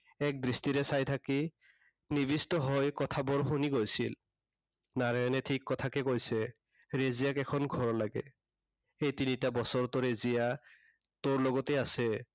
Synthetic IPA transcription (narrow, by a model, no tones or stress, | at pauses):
ɛk̚dɹistiɾɛsajtʰaki | nibistɔɦɔjkɔtʰabɔɹɦuniɡojsil | naɹaɔnɛtʰikːɔtʰakɛkojsɛ | ɹezijakɛkʰɔnɡʱɔɹɔlaɡɛ̰ | ejtinitabɔsɔɹt̪ɔɹezija | toɹlɔɡɔtɛasɛ